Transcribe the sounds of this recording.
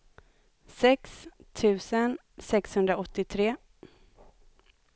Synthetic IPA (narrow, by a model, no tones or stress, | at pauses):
sɛkst̪ʰʉ̟ːsən | sɛkshɵnd̪ɾaɔt̪ːɪt̪ʰɾeː